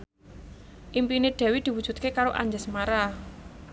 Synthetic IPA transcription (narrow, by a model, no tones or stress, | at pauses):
ʔimpineɖ̪̥ɛ̤wid̪̥i̤wud̥ʒ̥ṳt̪̚kekaɾoʔa̰ɲd͡ʒəsmaɾa